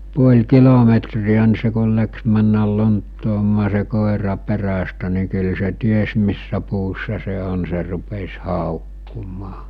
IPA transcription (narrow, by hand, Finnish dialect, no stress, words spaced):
puolʲ kilometriæ ni se kul læks mænːæl lontːoːmɑː se koˑerɑ peræstæ ni kyl se ties misːæ puːsːɑ se on se rupes hɑˑokːumɑː